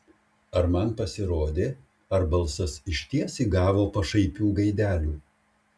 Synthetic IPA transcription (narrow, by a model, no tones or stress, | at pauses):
ɐɾmɐnpɐsʲɪɾoːd̪ʲeː | ɐɾbɐlˠsɐsɪʃʲt̪ʲiɛsʲiːɡɑːʋoːpɐʃɐɪpʲuːɡɐɪd̪ʲæːlʲuː